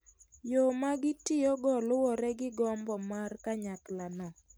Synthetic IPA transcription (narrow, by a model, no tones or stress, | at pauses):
jɔmaɡɪtɪjɔɡɔlʊwɔɾɛɡɪɡɔmbɔmarkaɲaklanɔ